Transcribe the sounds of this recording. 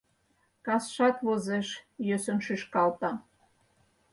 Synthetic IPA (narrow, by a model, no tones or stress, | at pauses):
kɑsʃɑt̪βozeʃjøsə̆nʃyʃkɑlt̪ɑ